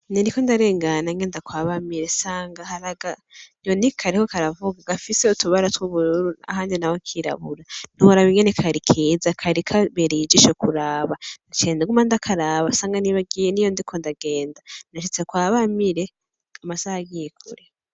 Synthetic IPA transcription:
ninikondaɾe̞ːŋɡanaŋɡendakwaːβamiɾe̞saːŋɡahaɾaɡanjonikʰaɾikokaɾavuɡaɡafiseutuβaɾatwuβuɾɾua̰haːndinawokʰiɾa̰βuɾan̥uhoɾaβiŋɡenekʰaɾikʰiːzakʰaɾikʰaβeɾid͡ʒiʃokuɾaːβandat͡ʃeːndaɡumandakʰaɾaːβasaːŋɡaniβaɡiːjenijondikʰo̞ndaɡe̞ːndandaʃ̬it͡sekwaːβamiɾe̞ | amasahaɡijekʰṵɾe

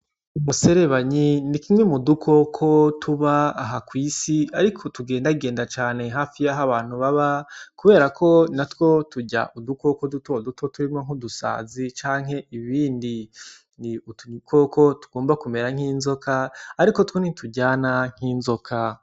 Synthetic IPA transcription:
umuse̞ɾe̞βaɲinikimŋe̞mudukʰokʰotʰuβaːɦakwiːsiaɾikʰo̞tuɡe̞ːndaɡe̞ːndat͡ʃaːne̞ɦaːfijaɦaβaːn̥uβaβakuβe̞ːɾakʰo̞natwo̞tuɟa̰ʔuduko̞kodutodutʰo̞tuɾimŋoŋ̥udusa̰ːzit͡ʃaːŋ̥e̞ʔiβiːndi | niutukokʰotu̥ɡ̥oːmbakume̞ɾaŋ̥hiːnzo̞kʰaːɾikotwonitʰuɟaːnaŋ̥hiːnzo̞kʰa

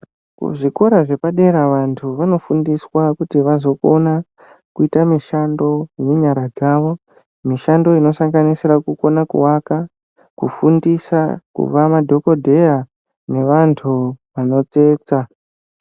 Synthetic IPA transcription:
kṵʐiko̞ɾaʐe̞paɗe̞ɾaʋantʰuʋano̞fundiswakutiʋazo̞ko̞na | kuitamiʃando̞jeɲaɾad͡zaʋo̞ | miʃando̞ino̞saŋɡanisirakuko̞nakṵwaka | kṵfundisakṵʋamadʱo̞ko̞dʱe̞ja | ne̞ʋantʰuʋano̞t͡se̞ːt͡sa

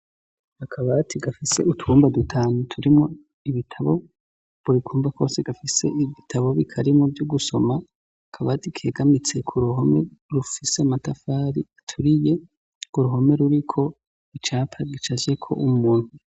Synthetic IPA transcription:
akʰaβatʰiɡafise̞̰utuːmbadutʰaːnutʰuɾimŋo̞ | iβitʰaβo̞ | buɾikʰuːmbakʰo̞ːseɡafise̞iβitʰaβo̞βikʰaɾimovjuɡuso̞ma | akʰaβaːtikʰe̞ːɡamit͡se̞kʰuɾuɦo̞me̞ɾufise̞matafaːɾiatʰuɾije | kuɾuɦo̞me̞ɾuɾikʰo̞ | it͡ʃaːpʰaɡit͡ʃaze̞kʰo̞̰ʔumuːn̥hu

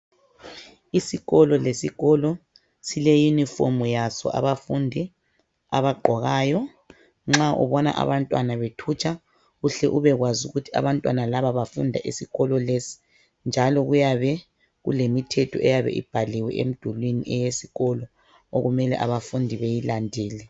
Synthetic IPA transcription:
isiɣɔlɔlesiɣɔlɔ | silejunifɔ̰mujasɔ̰ʔa̰βafundʱi | a̰βaɡ͡ǃʱɔɣaːjɔ | ŋ͡ǁaʔṵβɔna̰ʔa̰βantʼwanaβetʰut͡ʃʰʼa | ɣuɬɛʔuβɛɣwazuɣutʰi̥a̰βantʼwanalaβaβafundʱa̰ʔisiɣɔlɔlesi̥ | nd͡ʒʱalɔɣujaβɛ | ɣṵlemitʰɛtʰɔʔɛjaβɛ̰ʔḭb̥ʱaliwɛʔḛm̩d̥ʱulwinḭʔɛjesiɣɔlɔ | oɣumɛlɛ̰ʔaβafundʱiβejilandʱiːlɛ

